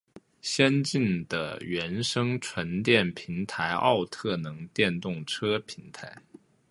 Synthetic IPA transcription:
ɕjɛ˥nt͡ɕi˥˩nd̪̥ə̰˩ɥɛ˧˥nʂɤ˥ŋʈ͡ʂʰwə˧˥nt̪jɛ˥˩npʰi˧˥nt̪ʰa˧˥ɪʔɑ̰˥˧ʊt̪ʰɤ˥˩nɤ˧˥ŋt̪jɛ˥˧nt̪ʊ˥˩ŋʈ͡ʂʰɤ˥pʰi˧˥nt̪ʰa˧˥ɪ

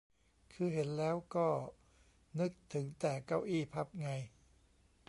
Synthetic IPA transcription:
kʰɯː˧ɦe˩˦nlɛː˦˥wkɔː˥˩ | nɯ˦˥k̚t̪ʰɯ˩˦ŋt̪ɛː˨˩ka˥˩wʔiː˥˩pʰa˦˩p̚ŋa˧j

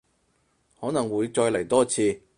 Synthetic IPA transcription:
hɔː˨˥nɐ˨˩ŋwuː˨˧˥jt͡ʃɔː˧jlɐ˨˩jt̪ɔː˥t͡sʰiː˧

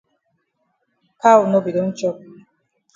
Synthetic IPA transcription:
ka˦wʊ˨no˦bi˨do˨˦n̩˦t͡ʃɔ˦p

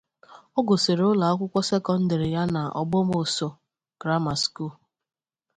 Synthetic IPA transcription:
ɔ˦ɡo˨se˨ɾʊ˦la˨a˦kʷʊ˦kʷɔ˦se˦kɔ˦n̩˦de˨ɾɪ˨ja˦na˨ʔɔ̰˨ɡ͡bɔ˦m˦o˨so˨ | ɡ̥ɾa˦ma˨sku˦˨l

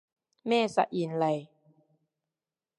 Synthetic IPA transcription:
mɛː˥˩˨sa̰˧ʔi˨˩˨nla˧j

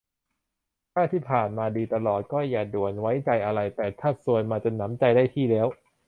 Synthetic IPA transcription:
t̪ʰaː˥˩t̪ʰiː˥˩pʰaː˨˩nmaː˧diː˧t̪a˧lɔː˨˩t̪̚kɔː˥˩jaː˨˩du˨˩ənwa˦˥jt͡ɕa˧jʔa˧ɾa˧jt̪ɛː˨˩t̪ʰaː˥˩su˨˧ənmaː˧t͡ɕa˨˩na˩˦˥mt͡ɕa˧jdaː˥˩jt̪ʰiː˥˩lɛː˦˥w

